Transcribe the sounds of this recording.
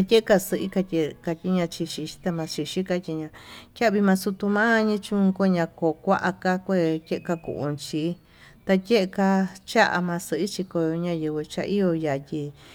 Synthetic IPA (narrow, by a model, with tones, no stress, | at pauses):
a˧tʲe˦ʔe˦ka˧sɨ˧ʔi˦ka˧tʲe˧ka˧t̪ʲi˧ɲã˧t͡ʃi˧ʃi˧t͡ʃi̥˦t̪a˧mã˧t͡ʃi˧ʃi˦ka˧tʲi˧ɲã˧kʲa˦˧βi˧mã˧su˧t̪u˧mã˦˧ɲĩ˦t͡ʃũ˦˧ko˦˧ɲã˧ko˨kʷa˦ʔa˧ka˧kʷe˦˧tʲe˦ʔe˧ka˧kṵ˧˨ʔṵ̃˧nt͡ʃi˧˦ | t̪a˧tʲe˦ʔe˧ka˧t͡ʃa˦ʔa̰˧mã˧sɨ˧ʔi˦t͡ʃi˧ko˧jo˧ɲã˧jɨ˧βɨ˧t͡ʃa̰˧ʔi˦jo˧ja˨tʲi˧